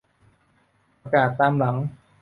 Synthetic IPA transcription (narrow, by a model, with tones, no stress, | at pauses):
a˧kaː˨˩t̪ːaː˧mla˩˦ŋ